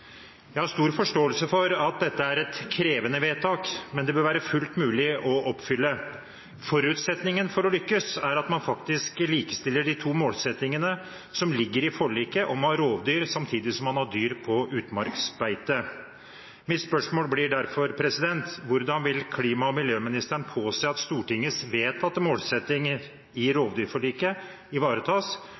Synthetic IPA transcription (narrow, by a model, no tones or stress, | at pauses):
jæɪhɑɾʂt̪uːɾfɔʂʈoːəlsəfɔɾɑt̪̚d̪ɛt̪ːəæɾɛt̪kʰɾeːʋənəʋeːt̪ʰɑːkmɛnd̪ɛbøːɾʋæːɾəfʉlt̪mʉːlɪʔɔʔɔpːfʏlːə | fɔɾʉt̪sɛt̪nɪŋənfɔɾɔlʏkːəsæɾɑt̪mɑnfɑkt̪ɪskliːkə̥st̪ɪlːəɖɪt̪ʰuːmoːlsɛt̪nɪŋənə | sɔmlɪɡːəɾɪfɔɭiːkəʔɔmɑɾoːʋd̪yːɾsɑmt̪ʰiːd̪ɪsɔmhɑnhɑɖ̪yːɾpʰɔʔʉːt̪mɑɾksbæɪt̪ə | mɪt̪spœʂmoːlblɪɖæɾfɔɾpʰɾɛsɪd̪ɛnt̪ʋʊɾd̪ɑnʋɪlkʰliːmɑɔmɪljøːmɪnɪst̪əɳpʰoːseːɑt̪st̪uːʈɪŋːəsʋeːt̪ɑt̪moːlsɛt̪ːɪŋ | ɪɾoːʋd̪yːɾfɔɭiːkə | ɪʋɑːɾət̪ʰɑːs